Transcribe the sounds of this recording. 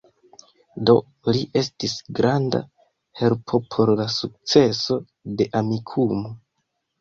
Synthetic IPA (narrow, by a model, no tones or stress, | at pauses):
do̞̰ | liʔe̞stisɡɾanda̰ | he̞lpʰo̞pʰo̞ɾlasuk̚t͡se̞so̞ | de̞ʔamikʰumo̞